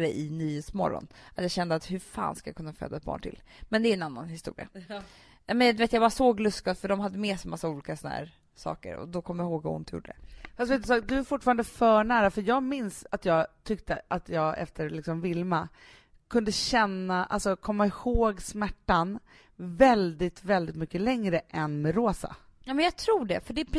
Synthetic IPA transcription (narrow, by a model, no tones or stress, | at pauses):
ɾɛʔɪnyːheːt̪smɔ̰ɾːɔ̰nʔat̪jɑːɕɛnd̪əat̪hɵfa̰ːnskaja̰kʰɵnːafø̰ːd̪aɛt̪̚bɑ̰ːɳʈʰɪ̰l | mɛnd̪ɛːɾɛnanːa̰nhɪst̪ṵːɾɪ̰a̰ | nɛmɛnd̪veːt̪javaɾsoːɡlɵskafœɖɔmɦad̪ːəmeːsɛjmasːauːliːkasɔnahæ̰ːɾ | sɑ̰ːkə̰ɾɔ̰d̪ɔkʰɔmːəjahoːɡvaʊ̰nt̪ʰjṵːɖːəd̪ɛ̰fast̪veːt̪ːsaːkd̪ɵæɾfʊʈːfɑːɾand̪əfœːɳæːɾafœɾjɑːɡmɪnsat̪jɑːɡt̪ʰʏkt̪əʔat̪ʰjɑːɡɛ̰ft̪ʰəɾɭɪksɔmvɪlma | kʰɵnd̪əɕɛnːaʔa̰lsɔkʰɔmːaɪhoːɡsmæʈːan | vɛld̪ɪt̪vɛld̪ɪt̪mʏkːəlɛŋɾəʔɛnmɛɾoːsa̰ | naːmɛnjɑɡt̪ʰɾuːɖɛ̰fœɖɛpʰ